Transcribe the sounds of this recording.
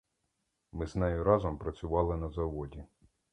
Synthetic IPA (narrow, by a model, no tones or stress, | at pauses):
mɪznɛjʊɾɑzɔmpɾɐt͡sʲʊʋɑlˠɪnɐzɐʋɔdʲi